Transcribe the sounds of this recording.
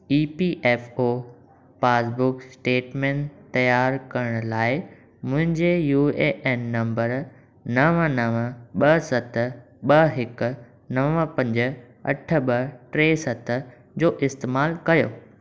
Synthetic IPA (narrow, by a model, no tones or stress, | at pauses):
iːpiːʔeːfoː | paːsbʊksʈeːʈmẽːnt̪ːɐjaːɾkɐɾəɽ̃ʊlaːɪ | mʊ̃ɦɪ̃ɲd͡ʑejuːeʔeːnːɐ̃mbəɾ | nɐʋənɐʋəɓɐsɐt̪ʰ | ɓɐɦɪkʊ̆ | nɐʋəpɐ̃ɲd͡ʑ | ɐ̰ʈʰə̆ɓɐʈɾeːsɐt̪ʰ | d͡ʑoːʔɪst̪eːmaːlkɐjoː